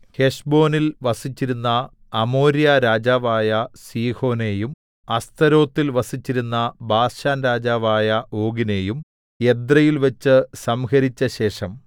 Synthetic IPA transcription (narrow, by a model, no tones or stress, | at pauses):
he̞ʂbo̞ːnilʋɐsit͡ɕːiɾunːɐː | mo̞ːɾijaɾaːd͡ʑaːʋaːjɐsiːho̞ːne̞jum | ɐst̪ɐɾo̞ːt̪ːilʋɐsit͡ɕːiɾunːɐbaːɕaːnɾaːd͡ʑaːʋaːjɐo̞ːɡine̞ːjum | e̞d̪rɐjilʋɐt͡ɕːɨsɐmhɐɾit͡ɕːɐɕe̞ːʂɐm